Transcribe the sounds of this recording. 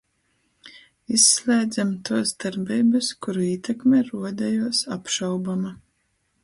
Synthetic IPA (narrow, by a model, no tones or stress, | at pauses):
isːlʲˠɛːd̪zamt̪uɔsd̪aɾbʲijbɨskuɾuiːt̪ɛkmʲeɾuɔd̪ɛjuɔsapʃawbama